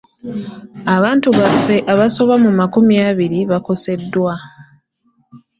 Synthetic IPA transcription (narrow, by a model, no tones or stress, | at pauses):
aβaːntuβafe̞ʔaβaso̞βamumakumjaːβiɾiβako̞se̞dːwa